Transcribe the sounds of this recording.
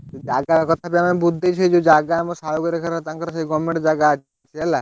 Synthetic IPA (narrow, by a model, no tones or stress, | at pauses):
d͡ʒaɡakɔt̪ʰapɛamanbud̪ʱːejt͡ʃʰed͡ʒod͡ʒaɡaamɔsajoɡeɾekʰaɾt̪aŋkaɾaʃejɡɔmːeʈd͡ʒaɡa | t͡ʃʰeɛla